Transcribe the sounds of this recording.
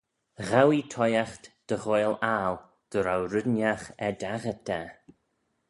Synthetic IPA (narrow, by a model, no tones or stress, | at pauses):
ɣawit̪ʰɔjaxt̪d̪̥əɣojlal | d̪̥əɾawɾədnjaxɛd̪aɣət̪ʰːɛ